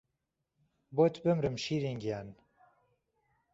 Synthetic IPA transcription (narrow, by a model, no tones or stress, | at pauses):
boːt̪ʰbɨmɾɨmʃiːɾiŋɡjaːn